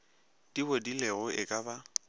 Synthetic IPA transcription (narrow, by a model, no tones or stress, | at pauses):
d̥ibodileɣʊʔɪkʼaba